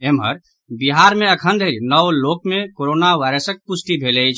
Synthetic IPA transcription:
emɦə̰ɾ | biɦaɾmeəkʰə̃nd̪ʱəlnɔʋlokmekoɾonaʋaɪɾəsək̚pusʈ̪ibʱelɛt͡ʃʰ

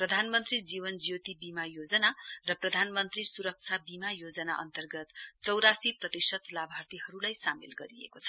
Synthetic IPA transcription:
prʌd̪ʱanmʌnt̪rid͡zibʌnd͡zijot̪ibimajod͡zʌnarʌprʌd̪ʱanmʌnt̪risuɾʌk̚t͡sʰabimajod͡zʌna̰ʔʌ̰nt̪ʌrɡʌt̪t͡sʌwɾasiprʌt̪isʌt̪labʱart̪ihʌɾulajsamilɡʌɾiḛkot͡sʰʌ

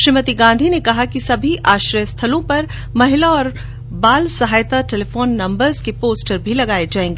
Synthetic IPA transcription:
ʃɾɪmət̪iɡãːnd̪ʱinekɐɦakisɐbʱiʔaːʃɾəjəst̪ʰɐlõpɐɾ | mɐɦɪlaɔːɾ | baːlsɐɦaːjt̪aʈeːlefoːnːɐ̃mbəɾzkepoːsʈəɾbʱilɐɡaːed͡ʒaːẽːŋɡeː

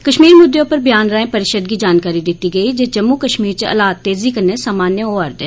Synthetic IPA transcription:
kəʃmiːɾmʊd̪ːjõpəɾbjaːnɾaːẽpəɾɪʃəd̪ɡid͡ʒaːnkaːɾid̪ɪt̪iɡəid͡ʒed͡ʒɐmːukəʃmiːɾt͡ʃəʔɐ̰laːt̪ːeːzikəɾnesaːmaːnjəoɐɾd̪eː

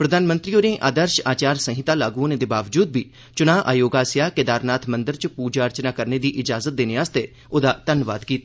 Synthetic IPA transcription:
pɾəd̪ʱaːnmə̃nt̪ɾiːoːɾẽːʔa̰ːd̪əɾʃaːt͡ʃaːɾsə̃ɦɪt̪aːlaːɡuːned̪eːbaːʋd͡ʒuːd̪̚biː | t͡ʃʊnaːʔa̰ːjoːɡaːsɪjaːked̪aːɾnaːt̪ʰmənd̪əɾt͡ʃpuːd͡ʒaːəɾt͡ʃnaːkəɾned̪iːʔɪd͡ʒaːzət̪̚d̪eːneːaːst̪e | oːd̪aːt̪ənʋaːd̪kiːt̪a

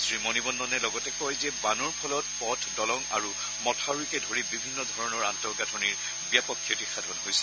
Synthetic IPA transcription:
sɹimɔnibɔnːɔnɛlɔɡɔtɛkɔjzɛbanɔɹpʰɔlɔt̚pɔtʰdɔlɔŋa̰ɹu | mɔtʰaɹuikɛdʱoɹibibʱinːɔdʱɔɹɔnɔɹantɔɡatʰɔniɹ | bijapɔkʰːjɔtixadʱɔnɦojsɛ̥

